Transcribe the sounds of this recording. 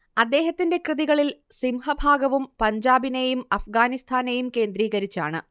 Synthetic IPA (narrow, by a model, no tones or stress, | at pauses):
ɐd̪ːe̞ːɦɐt̪ːinde̞krɨðiɣɐɭilsimhɐbʱaːɡɐʋumpɐɲd͡ʑaːbine̞jumɐfɡaːnist̪ʰaːnejumke̞ːnd̪ɾiːɣɐɾit͡ɕːa̰ːɳɨ̰